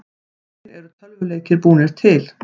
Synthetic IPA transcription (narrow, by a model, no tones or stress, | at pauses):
ɾɛɾʏt̪ʰœlvʏleːjcɪɾpuːnɪɾ̥t̪ʰɪl